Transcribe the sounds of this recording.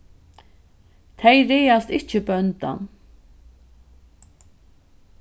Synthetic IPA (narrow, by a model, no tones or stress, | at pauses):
t̪ʰɛjɾɛːast̪ɪht͡ʃɪbœnt̪a̰n